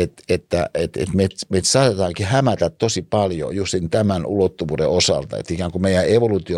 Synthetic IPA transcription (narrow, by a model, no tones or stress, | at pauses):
et̪et̪ːæ̰et̪ḛt̪met̪met̪sɑːt̪et̪ɑːŋkihæmæt̪æt̪t̪osipɑljo̰just̪int̪æmænʔṵlot̪ːuʋuːdḛosɑ̰lt̪ɑ̰ḛt̪ːikæːŋkumeijˑæeʋolut̪io